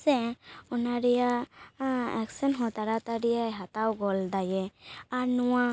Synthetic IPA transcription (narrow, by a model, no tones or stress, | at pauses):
sɛɔnaɾɛja | ɛksɛnɦɔ̃t̪aɾat̪aɾɛjaɦat̪awɡɔld̪ajɛaɾnuwa